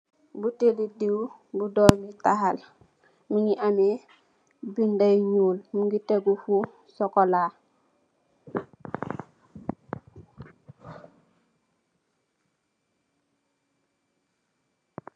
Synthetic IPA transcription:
butelidiw | budoːmitahal | muŋɡiʔame | bindajɲuːlmuŋɡiteɡufu | sɔkolaː

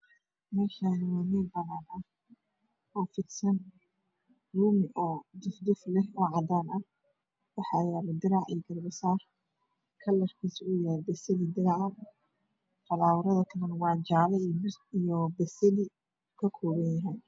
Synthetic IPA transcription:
mɛːʃanɪwanibɐnanɐh | ɔːfɪd̪sɐn | ruːmʔɔːd̪ʊfd̪ʊflɛhɔːʕɑd̪aːnɐh | wɑħɑjaːlɛd̪ɪɾɑʕḭjɡɐrbɐsaːr | kʰɐlːɐrkʰiːsʊjaːbɛsɐlɪd̪ɪɾɑʕɐ | fɐlaːwɾɐðɐkʰɐlɐnwɑʕd͡ʒaːlɛbijɔbɛsɛlɪ | kʰɐkʰɔːβɐnjɐɦɛj

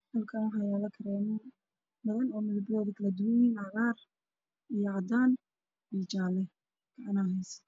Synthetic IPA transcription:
hɐlkʰaːnħɑjaːlɐkʰɐɾɛːmɛ | mɐðɐnɔːmɪðʊbɔːðikʰɐlɐd̪ʊwɪniːnʕɑɣaːr | ijɔʕɑd̪aːn | bit͡ʃaːlɛ | kʰɐʔɐnaːɦɛjs

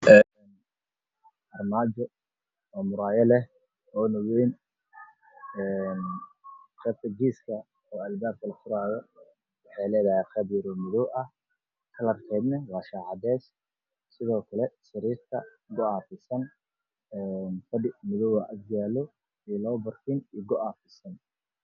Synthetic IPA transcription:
ɛː | n | ʔɐrmaːt͡ʃɔ | ɔːmʊɾaːjɐlɛh | ɔːnɔwɛjn | ɛːn | qɛːb̚t̪ɐɡiːskʰɐ | ɔːɐlbaːb̚kʰɐlɐχʊɾaːðɔ | wɑħɑjlɛːðɐhɛːqɛːbjɐɾɔmɪðɔwʔɐh | kʰɐlɐbkʰɛːd̪nɐwɑːʃaːʕɑd̪ɛːs | sɪðɔːkʰɐlɛsɐɾiːrt̪ʰɐ | ɡʊaːfɪsɐn | ɛːnfɐdɪmɪðɔwɐʔɐd̪jaːlɔ | iːlɔːbɐrfʰɪniːɡʊʔafɪsɐn

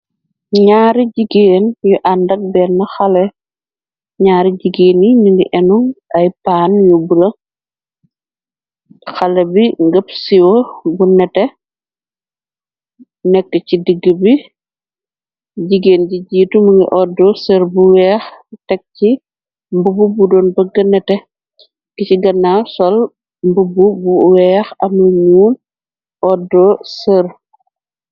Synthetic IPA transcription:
ɲaːɾiɟiɡeːnjuʔandɐk̚bɛnːɐxɐlɛ | ɲaːɾiɟiɡeːniɲundḭʔɛnuŋɐjpaːnjubuɾɐ | xɐlɛbiŋɡəpsiwɔbunɛtɛ | nɛkːəcidəɡːəbi | ɟiɡeːnɟiɟiːtumuŋḭʔɔdɔsəɾbuwɛːxtɛk̚ci | mbububudɔːnbəɡɐnɛtɛ | kiciɡɐnːaːsɔl | mbububuwɛːxɐmɐɲuːm | ɔdːɔsəɾ

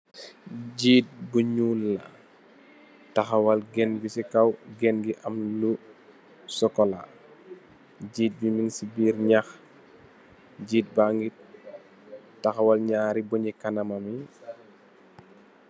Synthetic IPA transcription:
ɟiːt̚buɲulːɐ | tɐxɐwɐlɡɛnbisikɐwɡɛnɡiʔɐmlu | sɔkɔla̰ | ɟiːt̚bimiŋsibiːɾɲax | ɟiːt̚baŋɡit̚ | tɐxɐwɐlɲaːɾibuɲikɐnɐmɐmi

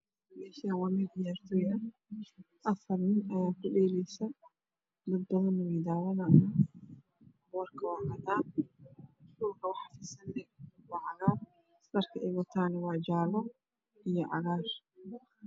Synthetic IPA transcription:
ɛʃanwɑːmɛd̪ɪjaːrt̪ʰɔːɐ | ʔɐfɐrnɪnɐjaːkʰʊɗɛːlɛjsɐ | d̪ɐd̪̚bɐɣɐnːʊwiːd̪aːwɐnaʔa | bːrkʰɐwɑːkʰɐt̪aː | ɗʊlkʰɐwɑħɑfɪsɐnːɛwɑːʕɑɣaːr | d̪ɐrkʰɐʔɛɣɔt̪ʰaːnɪwɑːd͡ʒaːlɔ | ijɔʕɑ̰ɣaːr

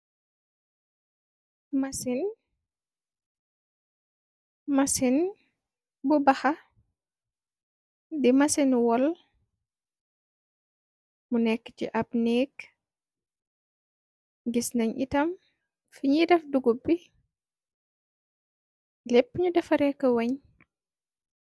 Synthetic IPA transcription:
mɐsin | masin | bubɐxɐ | dimasinwɔl | munɛkːə̥t͡ʃiʔɐp̚nɛːk | ɡisnɐɲḭtɐm | fiɲidɛfduɡubi | lɛpːəɲudɛfɐɾɛkːɐwɛɲ

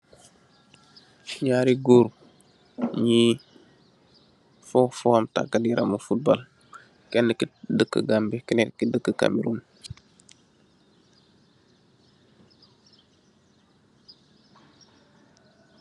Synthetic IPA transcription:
fiɲaɾiɡoːɾu | ɲi | fofɔmta̰kːadiɾʔa̰mufut̚bol | kɛnːəkidəkːə̰ɡambikɛnetkidəkːəka̰miɾuːn

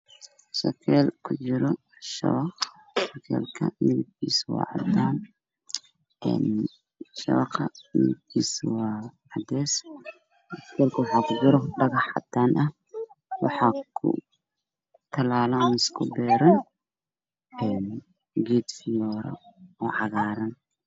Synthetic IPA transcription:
sɐkʰɛːlkʰʊt͡ʃɪɾɔ | ʃɐ̰βɐq | ʃɐkʰɛ̰ːlkʰɐ̰ʔiːlɪb̚kʰiːswɑ̰ːʕɑd̪aːn | ɛ̰ːn | ʃɐ̰βɐqɐḭːɪ̰b̚kʰiːswɑːʕɑd̪ɛːs | skʰɛːlkʰɐwħɑkʰʊbɪɾɔɖɐɣɑħɑd̪aːnʔɐ | wɑħɑkʰʊ̰ | t̪ʰɐlaːlɐnɪskʰʊbɛːɾɐn | ɛːn | ɡɛd̪fɪjɔːɾɐ̰ɔːʕɑɣaːɾɐn

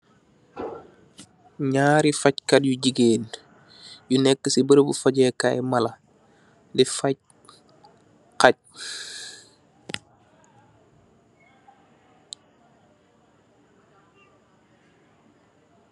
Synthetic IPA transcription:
ɲaːɾifɐc̚kɐd̚juɟiɡeːn | junɛkːəsibəɾəbufɐɟɛkajmɐlɐ | difɐc̚ | qac̚

